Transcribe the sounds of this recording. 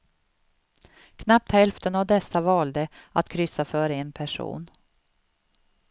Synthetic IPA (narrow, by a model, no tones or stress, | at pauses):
kʰnap̚t̪hɛlft̪ənavd̪ɛsːavɑːld̪əa̰t̪kʰɾʏsːafœɾeːnpʰæʂṵːn